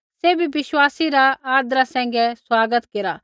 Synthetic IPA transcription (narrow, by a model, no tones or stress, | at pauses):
seːbʱibɪswaːsiɾaaːd̪ɾasɛ̃ːŋ̆ɡɛswaːɡət̪keɾa